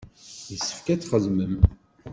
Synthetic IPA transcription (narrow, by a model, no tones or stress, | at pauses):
jəsːə̥fkæt͡sːχəzməm